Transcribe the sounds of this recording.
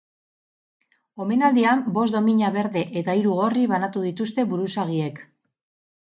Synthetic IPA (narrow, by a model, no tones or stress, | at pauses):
o̞me̞nald̪iambo̞s̬d̪o̞miɲaβe̞ɾðe̞ʔet̪aiɾuɣ̞o̞riβanat̪uðit̪ust̪e̞βuɾusaɣ̞ie̞k